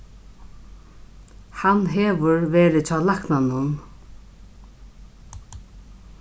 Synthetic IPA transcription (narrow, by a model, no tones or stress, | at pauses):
hanɦɛːʋʊɹʋeːɾɪt͡ɕʰaːlaknanʊn